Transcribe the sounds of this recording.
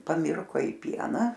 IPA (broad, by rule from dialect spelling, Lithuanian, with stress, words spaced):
pɐˈmʲɪrkoː ɪ ˈpʲiɛnɐ